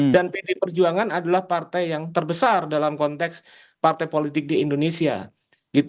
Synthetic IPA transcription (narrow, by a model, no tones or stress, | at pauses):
danpidipərd͡ʒuaŋanadalahpart̪ajjaŋt̪ərbəsardalamkɔnt̪ɛks | part̪ajpolit̪ɪk̚diːndonesia̰ | ɡ̥it̪